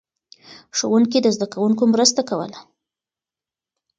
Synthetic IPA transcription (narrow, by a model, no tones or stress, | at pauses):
ʂowunk̬id̪əzd̪akawuŋkomɾəst̪akawə̰la